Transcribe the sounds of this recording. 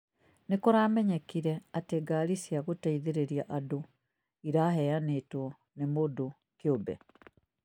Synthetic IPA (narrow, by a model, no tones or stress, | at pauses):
nekoɾaːmɛɲɛkiɾɛateɡaɾisjaɣotaiðeɾeɾiaʔado | iɾaɦɛjanetwɔ | nemodo | keobɛ̰